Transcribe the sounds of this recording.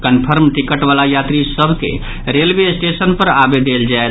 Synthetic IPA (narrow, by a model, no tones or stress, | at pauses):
kənpʰəɾmʈikəʈbalajat̪ɾisəbʱkḛ | ɾelbesʈesənpəɾabed̪eld͡ʒae